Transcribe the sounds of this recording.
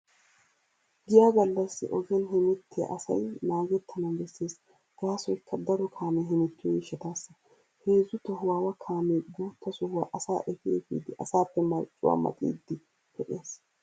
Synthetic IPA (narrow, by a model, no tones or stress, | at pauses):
ɡɪjaːɡɐlːɐsːɪ̰ʔɔɡɛnɦɛmɪt̪ːɪjɐ̰ʔɐsɐ̰jnaːɡɛt̪ːɐnɐbɛsːeːs | ɡ̥aːsɔjkːɐd̪ɐɾɔkʰaːmɛɦɪmɪt̪ːɪjɔjɪʃːɛt̪aːsːɐ | heːzːʊt̪ɔɦʊwaːwɐkʰaːmeːɡuːt̪ːɐsɔhʊwaʔɐsa̰ːʔɛfɪɛfḭːd̪ɪʔɐsaːpːɛmɐɾt͡ʃʼːʊ̰wa̰ːmɐ̰t̪ʼḭːd̪ːɪ | hɔʔjeːs